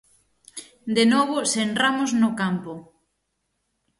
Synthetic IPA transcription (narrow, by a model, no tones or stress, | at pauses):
d̪enɔβʊsenramʊznʊkampʊ